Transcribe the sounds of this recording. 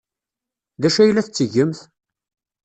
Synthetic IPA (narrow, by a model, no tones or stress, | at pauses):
ðæʃæjlːæθt͡sːəʝəmθ